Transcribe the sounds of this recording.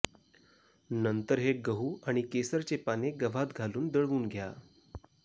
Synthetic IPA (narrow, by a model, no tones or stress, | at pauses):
nənt̪əɾɦeɡəɦuːaɽ̃ikesəɾt͡ɕepaneɡəʋʱat̪ɡʱaluːnd̪əɭʋuːnɡʱja